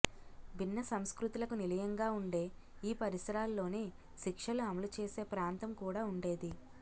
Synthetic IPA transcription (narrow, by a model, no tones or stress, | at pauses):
bʱinːɐsɐmskɾut̪ulɐkunilɐjɐŋɡaːuɳɖe̞ːiːpɐɾisɐɾaːlːo̞ːneː | ʃikʂɐluɐmɐlut͡ʃe̞ːse̞ːpɾaːnt̪ɐmkuːɽaːuɳɖe̞ːd̪i